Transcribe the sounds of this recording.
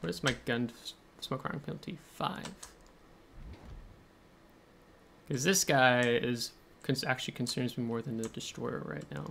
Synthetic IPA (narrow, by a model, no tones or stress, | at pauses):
wʌɨzmaɪɡʌ̃n | smɔkʰɹ̥̰̃ɪ̃ŋpʰɪlˠətʰifa̰ɪv̥ | kʰʌzðɪsɡ̥aɪɪz̥ | kʰɨ̃nsæk̚t͡ʃʉl̩ˠikʰn̩sɜ̃˞nzmimɔɹðɨ̃nðɨdɨstɹ̥ɔ̰ɪə̰˞ɹa̰ɪtⁿna̰ʊ